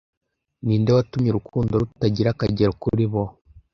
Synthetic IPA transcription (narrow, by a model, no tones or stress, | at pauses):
niːndewatumɲeɾukʰuːndoɾutaɟiɾakaɟeɾkuɾiβo